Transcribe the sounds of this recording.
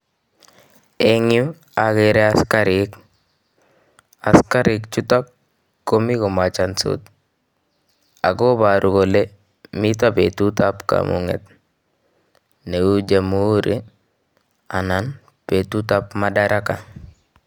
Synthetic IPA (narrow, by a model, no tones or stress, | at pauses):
eŋju | akiɾeaskaɾik | askaɾikt͡ʃutak̚ː | omikomat͡ʃanso̰t̪ | a̰ɡobaɾuɡole | mitapetutapka̰mṵŋḛt̚ | neud͡ʒamuɾe | a̰nan | petutapmadaɾʔaka